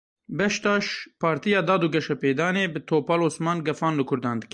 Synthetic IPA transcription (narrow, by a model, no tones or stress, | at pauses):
bɛʃt̪ɑːʃpʰɑːɾt̪ijɑːd̪ɑːd̪uːɡɛʃɛpeːd̪ɑːneːbɨt̪ʰoːpaːloːsmɑːnɡɛfɑːnlɨkʰʊɾd̪ɑːnd̪ɨk